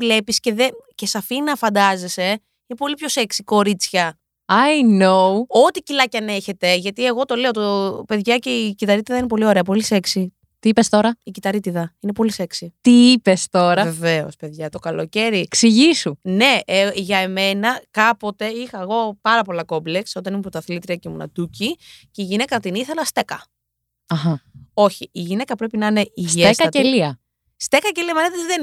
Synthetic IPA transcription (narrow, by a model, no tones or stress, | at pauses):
vle̞pisce̞ðece̞sɐfinɐfɐnd̪ɐze̞se̞ | inepo̞lipço̞se̞ksiko̞ɾit͡sçɐ | ɐjnouot̪icilɐcɐne̞çe̞t̪e̞ʝɐt̪ie̞ɣo̞t̪o̞le̞ot̪ope̞ðʝɐce̞icit̪ɐɾit̪iðɐinep̬o̞lio̞ɾe̞ɐp̬o̞lise̞ksi | t̪iipest̪o̞ɾɐicit̪ɐɾit̪iðɐinepo̞lise̞ksit̪iipest̪o̞ɾɐveve̞o̞̰spe̞ðʝɐt̪o̞kɐloce̞ɾiksiʝisune̞ʝɐeme̞nɐkɐpo̞t̪e̞ixɐeɣo̞pɐɾɐpo̞lɐko̞blekso̞t̪ɐnimupɾot̪ɐθlit̪ɾiɐcemunɐ̰t̪uciceiʝine̞kɐnɐt̪iniθe̞lɐst̪e̞kɐ | ɐxɐo̞çiiʝinekɐpɾepinɐine̞isʝeeskɐɐteliɐ | st̪e̞kɐce̞liɐmɐnet̪eiðen